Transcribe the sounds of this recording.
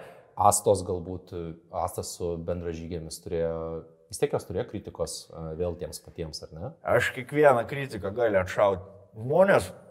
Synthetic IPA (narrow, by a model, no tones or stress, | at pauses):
ɑːst̪oːsɡɐlˠbuːt̪ɑːst̪ɐssʊbʲɛnd̪rɐʒʲiːɡʲeːmʲɪst̪ʊɾʲeːjojʲɪsʲt̪ʲeɛkjoːst̪ʊɾʲeːjokɾʲɪt̪ʲɪkoːsʋʲeːlˠt̪ʲiɛmspɐt̪ʲiɛmsɐrʲnʲɛɐʃkʲiɛkʋʲiɛnɐkɾʲit̪ʲɪkɐɡɑːlʲɪɐt̪ʃɐʊt̪ʲʒmoːnʲeːs